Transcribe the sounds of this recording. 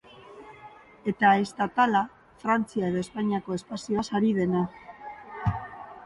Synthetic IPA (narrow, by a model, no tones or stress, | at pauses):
e̞t̪aest̪at̪ala | fɾant͡siae̞ðoe̞spaɲiako̞e̞spasioasaɾið̞e̞na